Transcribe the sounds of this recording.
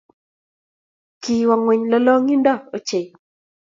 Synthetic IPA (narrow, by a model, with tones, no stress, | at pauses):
ki˨wa˨ŋwe˨ɲlɔ˦lɔ˦ŋi˦ndɔ˦˨o˦t͡ʃe˨